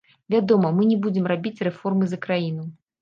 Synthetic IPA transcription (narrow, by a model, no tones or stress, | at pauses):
vʲad̪ɔmɐmɨnʲɛbud͡zʲɪmrabʲit͡sʲrɛfɔrmɨzɐkɾajinu